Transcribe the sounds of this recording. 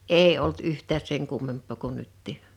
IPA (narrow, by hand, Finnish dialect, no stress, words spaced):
eː olt yhtˑæːs seŋ kumːempˑoˑ ko nytːiˑ